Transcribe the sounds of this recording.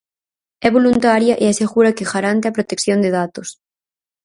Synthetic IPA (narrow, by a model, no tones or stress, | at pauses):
ɛβolunt̪aɾjɐʔeaseɣuɾɐkɪɣaɾant̪eɐpɾot̪ekθjond̪eðat̪os